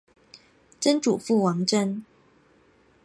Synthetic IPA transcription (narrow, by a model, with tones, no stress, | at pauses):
ʈ͡ʂə˥nʈ͡ʂu˨˩fu˥˨wɑ˧˥ŋʈ͡ʂə˦n